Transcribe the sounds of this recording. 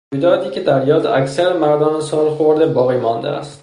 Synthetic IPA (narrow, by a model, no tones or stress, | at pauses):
id̪ɒːd̪iːcʰʲe̞d̪æɾjɒːd̪eækʲsæɾemæɾd̪ɒːnsɒːlxoɾd̪ebɒːɣiːmɒːnd̪eʔæ̰st̪